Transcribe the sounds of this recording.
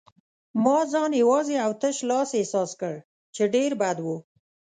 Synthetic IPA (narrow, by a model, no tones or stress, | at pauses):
mɑzɑnjawɑzeawt̪əʃlɑsehsɑskəɽ | t͡ʃeɖeɾbad̪wu